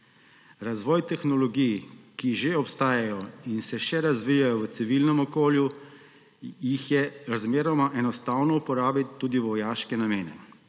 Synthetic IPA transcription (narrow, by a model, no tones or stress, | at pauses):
ɾazʋɔːjt̪ɛxnɔlɔɡijkiʒeɔpst̪aːjajɔinsɛʃɛɾazʋijajɔʋət̪siʋilnɛmɔkoːlju | jixjɛɾazmeːɾɔmaʔɛnɔst̪aːwnɔupɔɾaːbiːuːd̪iʋɔjaːʃkɛnameːnɛ